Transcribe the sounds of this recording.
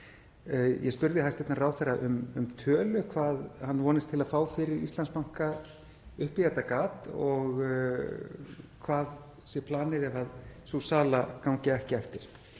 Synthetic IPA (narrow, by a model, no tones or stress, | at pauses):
jɛspʏɾðɪhajst̪ɛt̪naraːwθɛrːaʔʏmʏmt̪ʰœːlʏkʰvaːðhanːvɔːnɪst̪ʰɪlaðfaːwfɪɾɪɾḭst̪lanspawŋ̥ka | ʏhpɪjat̪akaːt̪ɔɣ | kʰvaːð | sjɛpʰlaːnɪðɛvaðsusaːlakawɲcɪɛhcɪɛft̪ɪɾ̥